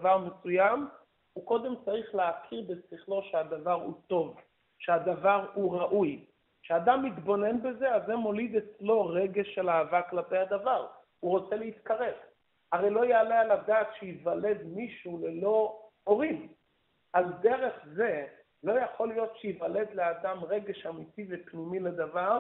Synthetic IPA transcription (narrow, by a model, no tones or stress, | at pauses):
avaʁmesujam | uko̞d̪e̞mt͡saʁiχleakʰiʁbesiχlo̞ʃead̪avaʁhṵt̪o̞v | ʃead̪avaʁhuʁaʔuj | ʃead̪amːit̪bo̞ne̞nbe̞ze̞azemo̞lid̪et͡slo̞ʁeɡe̞ʃelaːvaklape̞jhad̪avaʁ | uʁo̞t͡se̞leit̪kaʁe̞v | haʁejlo̞ajeːlejalad̪aːtʃejivale̞d̪miʃulelo̞oʁim | alde̞ʁe̞χze̞ | lo̞jaχo̞lijo̞tʃejivale̞d̪lead̪amʁe̞ɡe̞ʃamit̪ivepnimiled̪avaʁ